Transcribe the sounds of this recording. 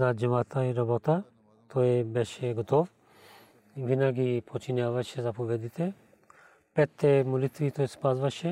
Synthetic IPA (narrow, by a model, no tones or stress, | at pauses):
zad͡ʒɐmat̪aiɾɐbot̪a | t̪ʰojɛbɛʃɛɡot̪oʋ | ʋinaɡipot͡ʃinjaːʋaʃɛzapobɛd̪it̪ʰɛ | pɛt̪ʰːɛmulit̪ʋit̪ojspazʋaʃɛ